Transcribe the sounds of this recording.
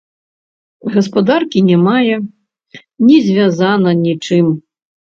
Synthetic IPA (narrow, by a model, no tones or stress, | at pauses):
ɣɐspad̪arkʲinʲɛmajɛ | nʲɛzʲvʲazanɐnʲit͡ʂɨm